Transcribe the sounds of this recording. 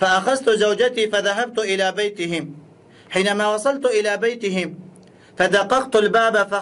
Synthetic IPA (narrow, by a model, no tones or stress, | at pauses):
faʔaxazt̪ʊzawd͡ʒat̪iːfaðaɦab̚t̪ʊʔɪlaːbajt̪ɪhɪm | ħiːnamaːwɑsˤɑlt̪ʔɪlaːbajt̪ɪɦɪm | fad̪aqːɑqt̪albaːbafa